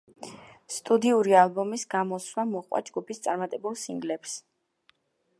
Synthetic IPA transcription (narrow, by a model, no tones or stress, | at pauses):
st̪ʼud̪iuɾialˠbɔmisɡamɔswlamɔqʼwa̰d͡ʒɡupʰist̪sʼaɾmat̪ʼɛbulˠsiŋɡlɛps